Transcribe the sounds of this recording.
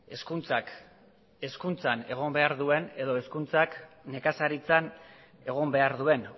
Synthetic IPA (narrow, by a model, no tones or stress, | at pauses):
e̞skunt͡sak | e̞skunt͡sane̞ɣ̞o̞mbe̞aɾðue̞ne̞ðo̞e̞skunt͡sak | ne̞kasaɾit͡san | e̞ɣ̞o̞mbe̞aɾðue̞n